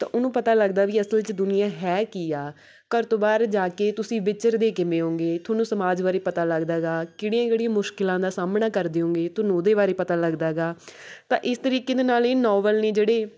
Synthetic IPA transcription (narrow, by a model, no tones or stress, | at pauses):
t̪ã̰ːʔʊnũːpət̪aːləɡd̪aːʋiːəsəlt͡ʃəd̪ʊnɪjãːɦɛːkiaː | kəɾt̪oːbaːɾd͡ʒaːkeːt̪ʊsĩːʋɪt͡ʃəɾd̪eːkɪmẽːɦõːŋɡeːt̪ʰoːnũːsəmaːd͡ʒbaːɾeːpət̪aːləɡd̪aːɡaːkɪɽijãːkeːɽiãːmʊʃkɪlãːd̪aːsaːmnaːkəɾd̪eːɦõːŋɡeːt̪ʊnũd̪eːβaːɾeːpət̪aːləɡd̪aːɡaːt̪ã̰ːʔɪst̪əɾiːkeːd̪eːnaːleːnɔːʋəlneːd͡ʒeːɽeː